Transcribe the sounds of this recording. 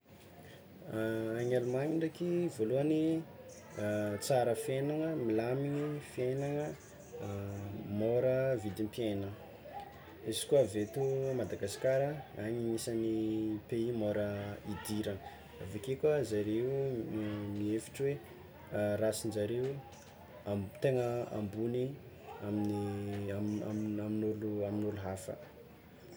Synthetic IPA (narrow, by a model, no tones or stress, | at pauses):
aɲalumaɲiɳɖ͡ʐakivoluəni | t͡saɾəfenaŋəmilamiɲifienaŋə | moɾəvid̪impienə | izi̥kuavet̪umad̪aɡasi̥kʲaɾəaɲiɲisanipeimoɾəid̪iɾaŋ | avekekʲəzaɾeu | miefi̥ʈ͡ʂwe | rasind͡ʒaɾeu | at̪eŋəa̰mbuni | aminiaaaminuluaminuluɦafə̰